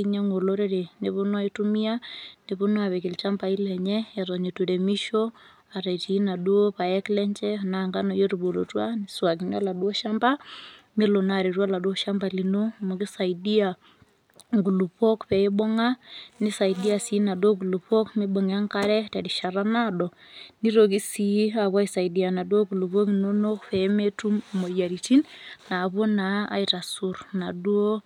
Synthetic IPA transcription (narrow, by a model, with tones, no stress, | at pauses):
iɲaŋo˨loɾeɾe˨ne˨βo˦nwa˦i˦tu˦mi˦a˦ni˨βo˦no˦a˨βɛ˨ki˨lt͡ʃa˦mba˨i˦lɛɲɛ˦ɛɾɔɲe˨tuɾe˨mi˦ʃo˦ | a˨ɾɛ˨ti˦na˨du˦o˦pa˨ɛklɛ˦ɲt͡ʃɛnaŋɡa˦nɔ˨jo˦ɾubo˨ɾo̰˨twa˦niswa˨ki˨ni˦a̰˦la˨dwɔ˦ʃamba˦ | mi˦lo˨na˨ɾi˨ɾwa˦la˨dwo˦ʃa˦mba˨li˨no˦mo˨ki˦sa˨idi˦a | ŋɡu˨lu˨po˦kpɛ˨ɛ˦bɔ˦ŋa˦ni˦sa˨i˨di˦a˨si˨˦na˨dwo˦ɡ̬u˨lu˨pɔ˦kmi˦bɔ˨ŋ˨a˦ŋka˦ɾɛ˦ta˨di˨ʃa˨ɾa˦na˦dɔ˨ | ni˦ɾo˨ki˦si˨˦a˨βwa˦i˨sa˨i˨di˨a˨na˨dwo˦ɡu˨lu˨βo˦ki˨no˦no˦kpɛ˦me˦tu˦mmo˨ja˨ɾi˨ti˦nna˨βo˦na˨a̰˦ita˨su˨ɾna˨du˦o˦